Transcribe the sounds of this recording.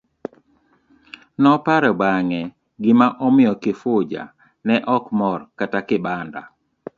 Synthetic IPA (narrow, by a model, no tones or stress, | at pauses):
nɔpaɾɛbaŋɛ | ɡɪmaʔɔmɪjɔkɪfʊd͡ʒa̰ | nɛʔɔkmɔrkatakɪbanda